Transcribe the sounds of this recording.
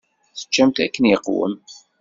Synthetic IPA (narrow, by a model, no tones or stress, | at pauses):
θə̥t͡ʃːæmt̪ækːənjəqːwə̰m